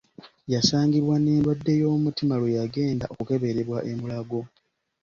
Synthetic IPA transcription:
jasaːŋɡiβwane̞ːndwadːe̞jo̞ːmutimalwejaɡe̞ːnda̰ʔokuke̞βe̞ɾe̞βwaʔe̞mulaɡo̞

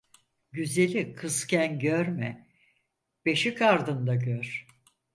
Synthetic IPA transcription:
ɟyzelʲikʰɯscʰænɟøɾmɛ | b̥e̞ʃikaɾd̪ɯnd̪aɟøɾ̥

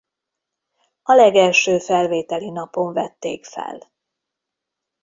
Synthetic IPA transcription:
ɒlɛɡɛlʃøːfɛlveːt̪ɛlinɒpo̞ɱvɛt̪ːeːkfɛ̰l

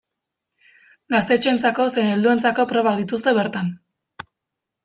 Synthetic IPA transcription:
ɡast̪e̞t͡ʃuent͡sako̞seneld̪ue̞nt͡sako̞pɾo̞βaðit̪ust̪e̞βeɾt̪an

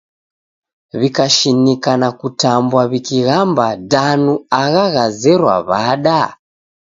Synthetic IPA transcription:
βikaʃinikanakutambwaβikiɣambadanuaɣaɣazɛɾwa̰βaɗa

